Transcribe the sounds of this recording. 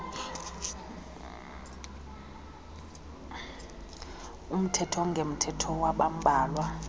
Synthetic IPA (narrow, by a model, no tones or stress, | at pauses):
um̩tʰɛtʰɔŋɡʱem̩tʰɛtʰɔwaɓam̩bʱaːlwa